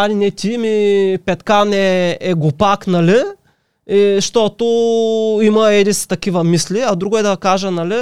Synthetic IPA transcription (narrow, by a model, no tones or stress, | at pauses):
alinɛt̪ʲimipɛt̪kanɛɛɡʊpaknɐli | ʃt̪ɔt̪o | imɐɛd̪ist̪ɐk̟ivɐmisliɐd̪ɾuɡʊɛd̪ɐkaʒənɐli